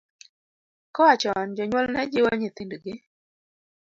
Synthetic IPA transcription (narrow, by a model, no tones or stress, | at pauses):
kɔwat͡ʃɔnd͡ʒɔɲwɔlnɛd͡ʒɪwoɲɪt̪indɡɪ